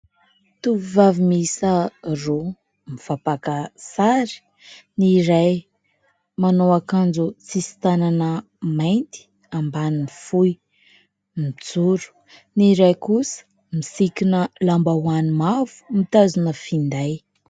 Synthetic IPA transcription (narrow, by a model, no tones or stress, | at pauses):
t̪uivavimisəro | miv̥apakəsaɾi̥ | niɾaj | manowakand͡zut͡sisi̥t̪ananə | majnt̪i̥ | ambaninifuj | mit͡suɾu̥ | niɾajkusə̥ | misikinəlambawanimavu̥mit̪azunəfind̪aj